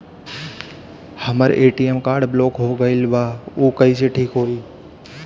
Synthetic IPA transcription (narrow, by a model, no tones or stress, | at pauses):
həməɾeːʈiːemkaːɾɖbɪloːkɦoːɡəɪlbaːuːkəiːseʈʰiːkɦoːiː